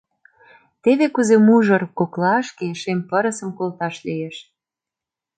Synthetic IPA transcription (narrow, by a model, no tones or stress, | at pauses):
t̪eβekuzemuʒɤrkoklɑʃkeʃempəɾə̆sə̆mkolt̪ɑʃlijeʃ